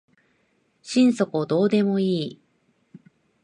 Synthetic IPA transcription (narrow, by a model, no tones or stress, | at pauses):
ɕĩñso̞kɯod̪o̞ːd̪e̞mo̞iː